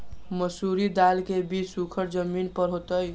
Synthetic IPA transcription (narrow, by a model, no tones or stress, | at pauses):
məsuɾid̪alkebʱisukʰəɾd͡ʒəminpəɾɦot̪əj